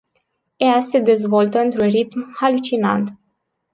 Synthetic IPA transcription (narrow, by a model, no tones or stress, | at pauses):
ease̞d̪e̞zvo̞lt̪əɨnt̪ɾunrit̪mhalut͡ʃina̰nt̪